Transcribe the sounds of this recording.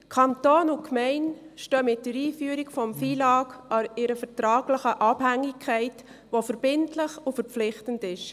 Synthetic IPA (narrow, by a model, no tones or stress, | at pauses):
kʰɑntoːnʊkʰmɛɪn | ʃtøːmɪt̚dəɾiːfyəɾikfɔmfiːlɑːkɑɪɾəfəɾtɾɑːɡləχəʔɑbhæŋːikʰːɛɪt | ʋofəɾb̥ɪntlɪχʊfəɾp͡flɪχtəndɪʃ